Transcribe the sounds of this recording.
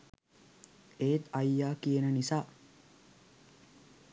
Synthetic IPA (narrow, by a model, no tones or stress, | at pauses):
eːt̪ɐjːaːkijenənisaː